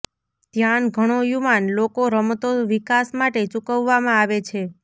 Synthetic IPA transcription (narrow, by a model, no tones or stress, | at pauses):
t̪janɡʱəɽ̃ojuʋanlokoɾəmt̪oʋikasmaʈet͡ʃukəʋːamãaʋet͡ʃʰe